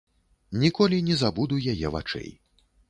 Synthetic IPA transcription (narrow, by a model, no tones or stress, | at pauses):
nʲikɔlʲinʲɛzabud̪ujajɛ̰va̰t͡ʂɛ̰j